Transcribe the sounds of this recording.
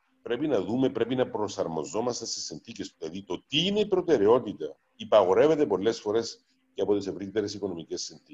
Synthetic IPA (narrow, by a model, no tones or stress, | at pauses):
pɾe̞pinɐðumepɾe̞pinɐpɾo̞sɐɾmo̞̰zo̞mɐst̪ɐnsesinθiceslɐðit̪o̞t̪iːne̞ipɾo̞t̪e̞ɾe̞o̞t̪it̪ɐ | ipɐɣo̞ɾe̞ve̞t̪epo̞lːe̞sfo̞ɾe̞s | ceɐpo̞t̪isevɾit̪eɾesiko̞no̞micesːenθi